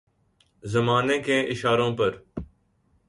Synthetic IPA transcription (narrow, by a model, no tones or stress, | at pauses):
zəmaːnẽːkẽːʔɪʃaːɾõːpəɾ